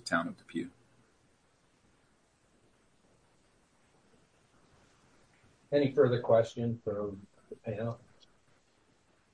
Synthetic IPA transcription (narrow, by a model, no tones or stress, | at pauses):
ɨtʰãʊ̃nʌvðəpʰjʉ | ɛɾ̃ifɜ˞ðə˞kʰw̥ɛst͡ʃɨ̃nfə˞ | pʰæ̃